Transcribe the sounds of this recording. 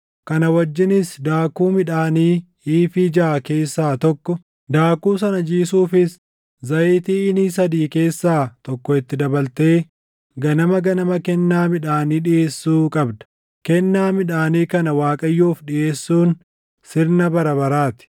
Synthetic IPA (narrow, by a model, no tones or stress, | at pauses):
kɐnɐwɐd͡ʒːɪnɪsd̪aːkuːmɪᶑaːniː | iːfɪd͡ʒaːke̞ːsːaːt̪ɔkːɔ | d̪aːkuːs̬ɐnɐd͡ʒiːsuːfɪs | zɐjɪt̪iːɪniːs̬ɐd̪iːke̞ːsːaːt̪ɔkːɔɪt̪ːɪd̪ɐbɐlt̪e̞ː | ɡɐnɐmɐɡɐnɐmɐkɛnːaːmɪᶑaːniːᶑɪʔe̞ːsːuːkʼɐbd̪ɐ̥ | kɛnːaːmɪᶑaːniːkɐnɐwaːkʼɐjːuːfᶑɪʔe̞ːsːuːn | sɪɾnɐbɐɾɐβɐɾaːt̪ɪ̥